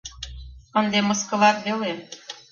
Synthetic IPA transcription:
ənd̪eməskə̆lɑrbele

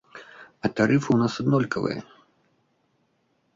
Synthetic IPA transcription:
ɐt̪aɾɨfɨwnasad̪nɔlʲkɐvɨ̰jɐ̰

